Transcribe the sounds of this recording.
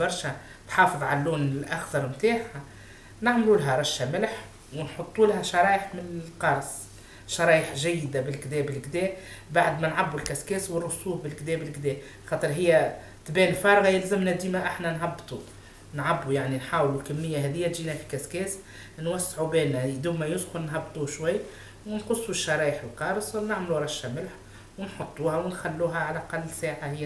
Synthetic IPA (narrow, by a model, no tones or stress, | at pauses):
bɑɾˤʃæ | t̪ħɑːfɨðˤʕa̰lːuːnɪlʔakθɑɾˤmt̪aːħa | naʕmlulɦæɾˤɑʃːæmɪlħ | wɪnħʊt̪ˤːulaɦæʃɑɾˤɑːjəħmɪnɪlqɑɾˤs | ʃɑɾˤɑːjəħʒæjːɪd̪abɪlkd̪ɛːbɪlɡd̪ɛːbaʕd̪mænʕabːulkæskæːswɪrːʊsˤuːbbɪlkd̪ɛːbɪlɡd̪ɛː | xɑːt̪ˤɨɾɦɪjːæ | t̪bɛːnfɑɾˤɣɑjɪlzɪmnæd̪iːmæʔɪħnænɦɑbːt̪ˤu | nʕabːujaʕninħaːwlulkæmːɪjːaɦɛːðɪjːæt̪ʒiːnæfi̥kæskɛːs | nwæsːʕubɛːnːæd̪uːmæjʊsxʊnnɦɑbːt̪ˤuʃwajː | wɪnqʊsˤːuʃːɑɾˤɑːjəħɪlqɑːɾˤsˤnɪʕmluɾˤɑʃːamɪlħ | wɪnħʊt̪ˤːuːhæwɪnxælːuːɦæʕalʔɑqɑlːsaːʕahɪjːæ